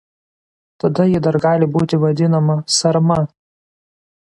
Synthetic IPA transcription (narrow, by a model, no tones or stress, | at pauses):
t̪ɐd̪ɐjɪd̪ɐɾɡɑːlʲɪbuːt̪ʲɪʋɐd̪ʲɪnɐmɐsɐɾmɐ